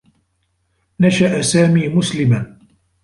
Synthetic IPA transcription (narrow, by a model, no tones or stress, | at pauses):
naʃaʔsaːmiːmʊslɪman